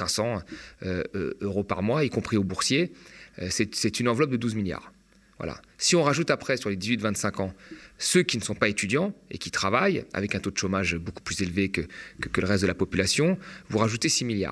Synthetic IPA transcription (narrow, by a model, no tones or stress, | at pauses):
ɛ̃sɑ̃øø̰øʁopa̰ʁmwaikɔ̃pχiobuʁsjeøsɛsɛt̪ynɑ̃vlɔp̚d̪əd̪uzmilja̰ːʁ | vwa̰la̰siɔ̃ʁaʒut̪apχɛsyʁled̪izɥit̪vɛ̃nt̪sɛ̃kɑ̃søkʲinəsɔ̃paet̪yd̪jɑ̃ḛkʲit̪χavaja̰vɛkɛ̃t̪od̪əʃomaʒboku̥plyzelvekəkkələʁɛst̪d̪əlapɔpylasjɔ̃vuʁaʒut̪esimilja̰ːʁ